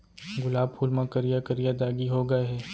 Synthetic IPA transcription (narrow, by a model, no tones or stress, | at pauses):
ɡʊlaːb̚pʰuːlmãkɐɾijakɐɾijad̪aːɡiɦoːɡɐeɦɛː